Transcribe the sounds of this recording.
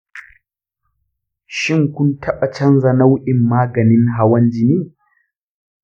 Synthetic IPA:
ʃɪ˦ŋkʷʊ˦ntʰɐ˦ɓa˨t͡ʃɐ˦nza˨na˦wʔɪ˨mːaː˦ɡɐ˨nɪ˦ŋɦa˦wɐ˦nd͡ʒɪ˦niː˦

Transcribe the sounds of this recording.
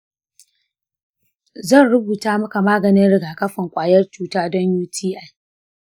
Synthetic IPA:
zɐ˦˨nɽʊ˦buː˨taː˦mɐ˦ka˨maː˦ɡɐ˨nɪ˦nɽɪ˨ɡaː˨kɐ˦ɸɪ˨ŋkʷʼaː˨jɐ˦rt͡ʃuː˨taː˦dɔ˦ɲjuː˦tʰiː˦ʔa˦˨j

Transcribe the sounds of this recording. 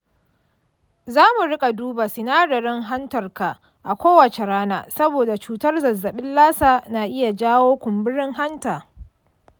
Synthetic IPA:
zaː˦mu˨ɽɪ˦kʼa˨duː˦ba˨sɪ˨naː˦ɽɐ˨ɽɪ˦ŋɦa˦ntɐ˨rka˨ | ʔa˨kʷoː˦wɐ˨t͡ʃe˨ɽaː˦na̰ː˨sɐ˦boː˨da˨t͡ʃuː˨tɐ˦rzɐ˨zːɐ˨ɓɪ˦nlaː˦saː˨na˨ʔɪ˦ja˨d͡ʒaː˦woː˦kʷʊ˨mbɪ˦ɽɪ˦ŋɦa˦ntaː˨

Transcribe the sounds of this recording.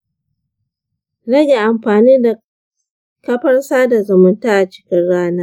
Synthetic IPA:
ɽɐ˦ɡʲe˨ʔa˨mɸaː˨niː˦da˨ | kɐ˦ɸɐ˦ɽsaː˦da˨zʊ˨mʊ˨ntaː˦ʔa˨t͡ʃɪ̥˦kʲɪ˦nɽaː˦naː˦

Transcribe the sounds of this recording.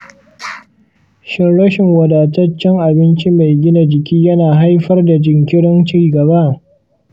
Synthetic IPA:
ʃɪ˦nɽɐ˦ʃɪ˨ŋwɐ˨daː˨tɐ˦t͡ʃːɛ˦ŋʔa˨bɪ˦nt͡ʃi˦ma˨jɡʲɪ˦na˨d͡ʒɪ˨kʲiː˦jɐ˦naː˨ɦa˦jɸɐ˦rda˨d͡ʒɪ˨ŋkʲɪ˦ɽɪ˦nt͡ʃiː˦ɡɐ˨βa˦

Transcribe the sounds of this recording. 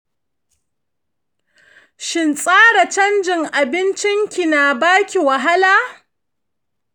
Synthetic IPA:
ʃɪ˨nsʼaː˦ɽa˨t͡ʃɐ˦nd͡ʒɪ˨ŋʔa˨bɪ˦nt͡ʃɪ˦ŋkʲi˨naː˨baː˦kʲi˨wa˨ɦa˦laː˦

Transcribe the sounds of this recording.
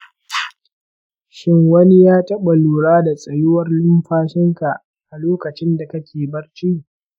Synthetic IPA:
ʃɪ˦ŋwɐ˦ni˦jaː˦tɐ˦ɓa˨luː˨ɽaː˦da˨sʼɐ˨jɪ˦wɐ˦rlʊ˦mɸaː˦ʃɪ˦ŋka˨ʔ | ʔa˨loː˦kɐ˨t͡ʃɪ˦nda˨kɐ˦kʲeː˨bɐ˦rt͡ʃiː˦ʔ

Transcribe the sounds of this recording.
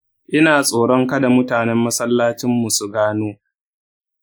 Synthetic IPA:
ʔɪ˦naː˨sʼoː˨ɽɔ˦ŋka˦da˨mʊ˦taː˨nɛ˦mːɐ˦sɐ˦lːaː˦t͡ʃɪ˦mːu˨su˨ɡaː˦noː˦

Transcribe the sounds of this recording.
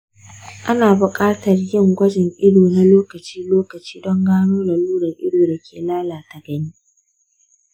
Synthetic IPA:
ʔa˦naː˨bʊ˨kʼaː˦tɐ˨rjɪ˦˨ŋɡʷɐ˦d͡ʒɪ˨ŋʔɪ˦doː˨na˦loː˦kɐ˨t͡ʃiː˦loː˦kɐ˨t͡ʃi̥ː˦dɔ˦ŋɡaː˦noː˦da˨luː˦ɽɐ˨ŋʔɪ̰˦doː˨da˨kʲeː˨laː˦laː˨ta˨ɡɐ˦niː˦

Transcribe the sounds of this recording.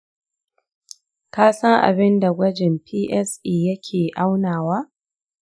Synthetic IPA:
kaː˦sɐ˦ŋʔa̰˨bɪ˦nda˨ɡʷɐ˦d͡ʒɪ˨mpʰiː˦ʔɛ˦sʔiː˨jɐ˦kʲʰeː˨ʔa˦wnaː˨waː˦

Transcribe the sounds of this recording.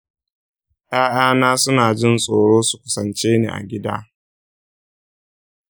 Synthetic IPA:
ʔaː˦ʔaː˦naː˦sʊ˦naː˨d͡ʒɪ˦nsʼoː˨ɽoː˦su˨kʷʊ̥˦sɐ˨nt͡ʃeː˦nḛː˨ʔa̰˨ɡʲɪ˦da̰ː˦

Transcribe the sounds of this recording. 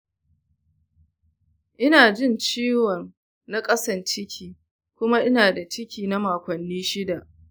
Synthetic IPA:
ʔɪ˦naː˨d͡ʒɪ˦˨nt͡ʃiː˦wɐ˨n | na˦kʼɐ˦sɐ˨nt͡ʃɪ˦kʲʰiː˨ | kʷʊ˦ma˦ʔɪ˦naː˨da˨t͡ʃɪ˦kʲiː˨na˦maː˨kʷɐ˨nːiː˦ʃɪ˦da˨ʔ

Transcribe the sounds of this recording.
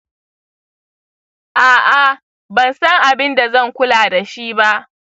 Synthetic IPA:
ʔaː˨ʔa˨ | bɐ˨nsɐ˦ŋʔa˨bɪ˦nda˨zɐ˦˨ŋkʷʊ˦laː˨da˨ʃiː˦ba˦ʔ

